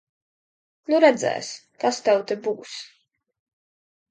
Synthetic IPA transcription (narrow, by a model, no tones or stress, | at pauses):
nuɾɛd̪zɛ̰ːs | kast̪ɛwt̪ɛbuːs